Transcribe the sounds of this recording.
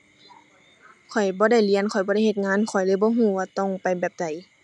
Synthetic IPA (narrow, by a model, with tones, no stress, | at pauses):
kʰɔ˨˩jbɔː˧˦da˧˩jli˧˥ə˨nkʰɔ˨˩jbɔː˧˦ɾa˥˩jhe˧˩t̪̚ŋaː˧˥˨nkʰɔ˨˩jlɤː˧˥˨jbɔː˧˦ɦuː˧˩waː˧t̪ɔ˧˩ŋpa˨jbɛː˨˩p̚da˧˩j